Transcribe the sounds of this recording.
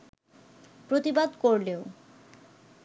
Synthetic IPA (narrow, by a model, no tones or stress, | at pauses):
pɾot̪ibad̪koɾleo